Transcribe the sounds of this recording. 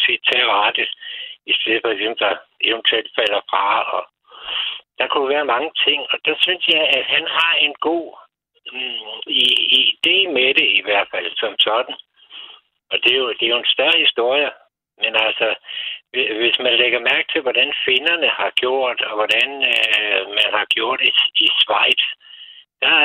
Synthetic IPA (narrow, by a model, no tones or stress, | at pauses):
sʰed̥̚t͡sʰeɑ̈d̥i̥isd̥e̝ðˠfʰɒɡ̥sem̰d̥ɑe̝ʋent͡sʰuel̰d̥fæl̰ɐfʁɑ̈ɒ̽ | d̥ɑ̈kʰud̥æʋæːɐmɑ̈ŋət͡sʰe̝ŋ̰ɒ̽d̥ɑ̈synsjɑ̈ɪæ̥hænɦɑ̈e̝nɡ̥o̝̰ː | iid̥e̝̰ːmed̥e̝iʋæɐ̰d̥fæl̰sɒ̽msɒ̽d̥n̩ | ɒ̽d̥e̝jo̝d̥e̝jo̝ensd̥ɶɐhisd̥o̝ɐ̰jə | menælsɒʋeʋe̝smænleɡ̥ɐmæɐɡ̥̚t͡sʰe̝lʋɒd̥ænfe̝nɐnəhɑ̈ɡ̥jo̝ɐ̰d̥ɒ̽ʋɒd̥ænømænhɑ̈ɡ̥jo̝ɐ̰d̥iisʋɑ̈ɪ̰d̥d̥ɑ